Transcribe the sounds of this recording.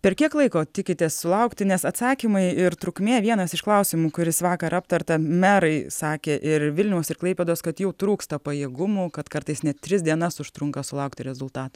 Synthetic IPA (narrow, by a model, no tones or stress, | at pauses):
pʲɛrkʲiɛklˠɐɪkoːt̪ʲɪkʲɪt̪ʲessʊlˠɐʊkt̪ʲɪnʲɛsɐt̪sɑːkʲimɐɪɪɾt̪ɾʊkmʲeːʋʲiɛnɐsɪʃklˠɐʊsʲɪmuːkʊɾʲɪsʋɑːkɐɾɐp̚t̪ɐrt̪ɐmʲæɾɐɪsɑːkʲeːʔɪrʋʲɪlʲnʲɛʊsɪrklˠɐɪpʲeːd̪oːskɐt̪jɛʊt̪ɾuːkst̪ɐpɐjeːɡʊmuːkɐt̪kɐɾt̪ɐɪsnʲɛtt̪ʲɾʲɪsdʲiɛnɐsʊʃt̪ɾʊŋkɐsʊlˠɐʊk̚t̪ʲɪɾʲɛzʊlˠt̪ɑːt̪ɐ